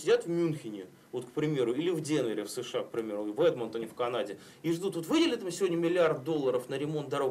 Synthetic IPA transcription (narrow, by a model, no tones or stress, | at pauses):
sʲɪdʲat̪vmʲunxʲɪnʲɪ | vo̞t̪kpɾʲɪmʲe̞ɾʊilʲɪvdʲenvʲəɾʲɪfsɨʂɨak̚pɾʲɪmʲe̞ɾʊvɛd̪mənt̪ɐnʲɪfkɐnadʲɪ | iʐd̪ut̪vot̪vɨdʲɪlʲɪt̪əmsʲɪvo̞dʲnʲəmʲɪlʲɪart̪̚d̪o̞lˠːəɾəfnəɾʲɪmo̞nt̪̚d̪ɐɾo̞ɡ